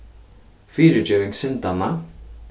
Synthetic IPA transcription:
fiːɾɪt͡ɕœːwɪŋksɪnt̪ana

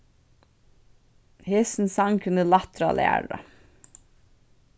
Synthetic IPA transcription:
heːsn̩sɑŋkʰʉnəlɑt̪ɾɑ̰ːlʔḛæ̰ɖɑ̰

